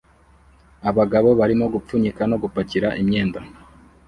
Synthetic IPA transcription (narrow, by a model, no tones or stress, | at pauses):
aβaɡaβo̞βaɾimo̞ɡup͡fuɲikano̞ɡupaciɾaʔimɲe̞ːnda